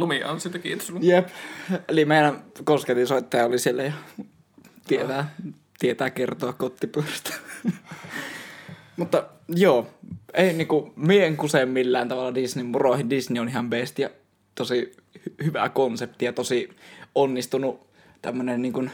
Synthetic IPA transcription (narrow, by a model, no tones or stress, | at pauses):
lumiɑ̰nsiːt̪ækiːt̪o̥snjepelimeˑinænkosket̪isoˑit̪ːɑjɑolisielːæjɑ | t̪iet̪æː | t̪iet̪æːkert̪oɑkkot̪ːipust̪æ̥ | mut̪ːɑ | joːeˑiniːŋkumieeŋkusemːilːæːnt̪ɑʋɑlːɑdisnimmurohindisnionihɑmpeˑst̪jɑ | t̪osi | hhyʋæ̰konsep̚t̪ijɑt̪osionːist̪unu | t̪æmːønenniːŋkun